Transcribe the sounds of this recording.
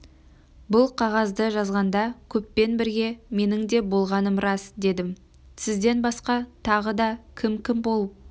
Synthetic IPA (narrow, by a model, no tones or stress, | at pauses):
bʊlˠqʰɑʁɑzd̪əʒɑzʁɑnd̪ɑkʲʰɵpːe̞nbɪɾɡʲe̞me̞nɪŋd̪e̞bo̞lˠʁɑnəmɾɑsd̪e̞d̪ɪm | sɪzd̪e̞nbɑsqɑt̪ʰɑʁəd̪ɑkʲʰɪmkʲʰɪmbo̞lˠəp̚